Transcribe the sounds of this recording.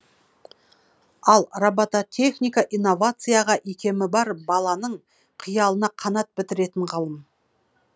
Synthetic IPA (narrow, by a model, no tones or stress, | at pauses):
ɑlˠrabat̪at̪ʲʰe̞χnʲijkaʔijnːo̞vat̪sɨjaʁɑʔekʲe̞mɪbɑɾbɑlˠɑnəɴ | qʰijɑlˠənɑqʰɑnɑt̪̚bɪt̪ɪɾe̞t̪ɪɴʁɑlˠəm